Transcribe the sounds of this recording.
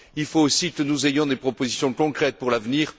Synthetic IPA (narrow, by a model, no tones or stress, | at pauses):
ilfoːsikənuzejɔ̃d̪epχɔpozisjɔ̃kɔ̃kχɛt̪̚puʁlavniːʁ